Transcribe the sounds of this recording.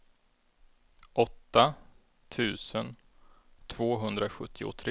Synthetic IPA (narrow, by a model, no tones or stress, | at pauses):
ʔɔt̪ːa | t̪ʰʉ̟ːsən | t̪ʰv̥oːɦɵnd̪ɾaɧɵt̪ʰːɪʊ̰t̪ʰɾe